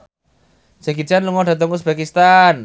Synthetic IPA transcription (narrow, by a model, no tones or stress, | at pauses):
saɡit͡ʃanluŋɔɖa̤t̪ɔŋkusb̥akist̪an